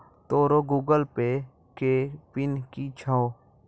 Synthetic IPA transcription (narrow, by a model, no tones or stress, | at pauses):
t̪oːɾoɡuːɡəlpe | kepɪnkit͡ʃʰao